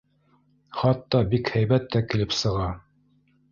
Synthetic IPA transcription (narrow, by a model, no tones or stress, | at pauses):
χɑt̪ːɑbikhæjbæt̪ːækɘ̆lɘpsɤ̆ʁɑ